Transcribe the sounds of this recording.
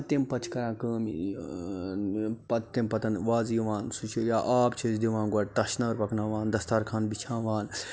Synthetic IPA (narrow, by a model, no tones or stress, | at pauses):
t̪empɐt͡ʃʰkɐɾãːkəːmḭ | pɐt̪ːempɐt̪ɐnʋaːzjiʋaːnsut͡ʃʰijaːʔaːpt͡ʃʰizd̪iʋãːnɡɐʈt̪ɐʃnaːɾpɐkʰnaːʋaːnd̪ɐst̪aːɾkʰaːnbit͡ʃʰãːʋaːn